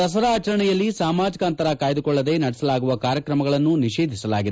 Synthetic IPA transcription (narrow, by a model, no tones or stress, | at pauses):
t̪ɐs̬ɐɾaːt͡ʃɐɾɐɳɛjɐlːisaːmaːd͡ʒikaːnt̪ɐɾɐkaːjɐd̪ukɔɭːɐd̪e̞nɐɽɛsɐlaːɡuʋɐkaːɾjɐkɾɐmɐɡɐɭɐnːuniʃeːd̪ʱisɐlaːɡid̪e